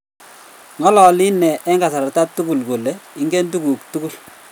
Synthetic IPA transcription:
ŋɔ˦lɔ˨lɪ˦nɛ˨ʔɛ˦ŋɡa˨sa˨ɾa˨ta˦tu˦ku˨lko˨le˨ɪ˦ŋɡe˦ndu˦ku˨k̚tu˦ku˦˨l

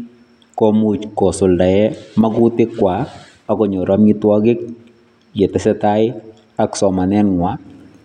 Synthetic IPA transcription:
kɔmu˨t͡ʃkɔ˨sʊ˨lda˨jɛ˦ma˦ɡʊ˦tɪ˦kːwa˨ | a˨kɔ˨ɲɔ˨ɾa˦mɲi˦twɔ˦ɡɪ˦k̚ | d͡ʒɛ˨tɛ˦sɛ˦ta˦ɪ | a˦ksɔ˨ma˨nɛ˦nŋwa˨˦

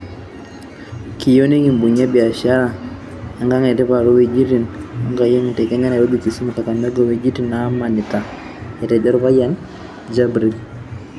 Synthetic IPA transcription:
ki˨jo˦ni˦ŋi˨mbu˨ɲa˦bi˨a˨ʃa˦ɾa˨ | a˨˦ŋɡa˦ŋɛ˨tɛ˦pa˨ɾo˦we˦d͡ʒi˦ti˦˨nɔ˦ŋɡa˨jo˦ŋ˨te˨kɛ˦ɲɛ˦na˨ɾo˦ɡi˨ki˨su˦mo˨ka˨ka˨mɛ˦ɡɔ˦˨we˨d͡ʒi˦ti˦na˨˦ma˨nɪ˨ta˨ | ɛ˨tɛ˨d͡ʒɔ˦ɾpa˦ja˦n | d͡ʒa˦bɾi˨l

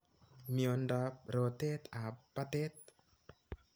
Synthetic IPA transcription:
mio˨ndɔ˨˦p̚ɾo˨t̪e˦t̪a˨pːa˦t̪e˦t̪̚

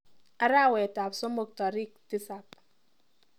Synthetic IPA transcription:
a˦ɾa˦˨wɛ˨ta˨pso˦mo˨k̚tɔ˨ɾi˦˨k̚ti˦sa˨p

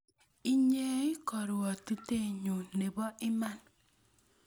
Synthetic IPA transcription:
i˦ɲe˦i˦kɔ˨ɾɔ˨ti˦te˦˨ɲo˨ne˨bɔ˦ʔɪ˦ma˦n

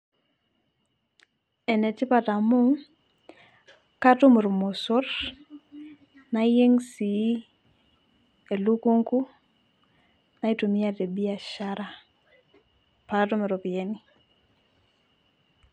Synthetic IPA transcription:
e˨ne˨tɪ˦pa˨ta˨mu˦ | ka˦tu˦mɪ˨ɾo˨mo˨sɔ˦r | na˦je˦ŋsi˨˦ | e˨lu˦ko˦ŋku˦ | na˨i˦to˨mi˦a˦˨te˨bi˦a˨ʃa˦ɾa˨ | patɔ˦me˨ɾo˨pi˨e˦ni˦

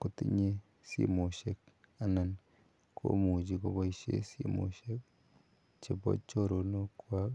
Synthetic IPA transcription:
ko˨ti˦ɲe˦ | sḭ˦mo˨ʃe˨k̚ | a˨na˨n | kʰo̰˦mu˨d͡ʒi˨ko˨bɔ˦i˦ʃḛ˦sḭ˦mo̰˨ʃe˦k̚ | t͡ʃe˨bɔ̰˦t͡ʃo˦ɾo˨no˦kwa˦

